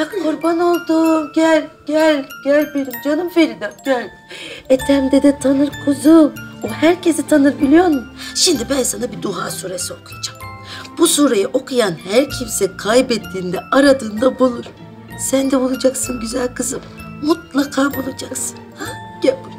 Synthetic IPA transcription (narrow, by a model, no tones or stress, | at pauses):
bakuɾbano̞lˠd̪uɟælʲɟælʲɟ̥ælʲbeɾimd͡ʒonumfe̞ɾid̪aɟælʲ | et̪ʰæmd̪ed̪ɛt̪ʰanɯɾkʰuzuɛhæɾcʰe̞sit̪ʰanɯɾbilʲijo̞ɾmuʃimd̪ibænsanabid̪uɦaːsuːɾesio̞kʰujad͡ʒam | b̥usuːɾajaʔo̞kʰujanhæɾcʰimsɛkʰajbɛt̪ʰːiːnd̪ɛaɾad̪ɯːnd̪abulˠuɾ̥ | sænd̪ɛbulˠad͡ʒaksɯnɟyzælʲkʰɯzɯm | mut̪lˠakʰaːbulˠud͡ʒaksɯ̥nhaɟ̥ɛ